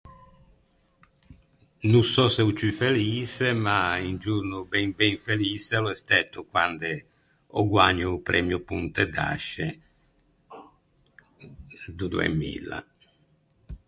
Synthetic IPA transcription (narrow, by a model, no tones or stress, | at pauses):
nusɔsɛut͡ʃyfeliːsemaind͡ʒuɾnubɛŋbɛŋfeliːsɛlɔɛst̪ɛt̪ːukwand̪e | ɔ̰ɡwaɲːupɾʔɛmjupunt̪ɛd̪a̰ʃːe | d̪ud̪uḛmḭla̰